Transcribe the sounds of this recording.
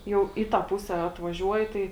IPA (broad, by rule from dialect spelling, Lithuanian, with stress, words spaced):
ˈjɛʊ ˈiː ˌtɑː ˈpʊsʲɛ ɐtʋɐˈʒʲuɔjɪ ˈtɐɪ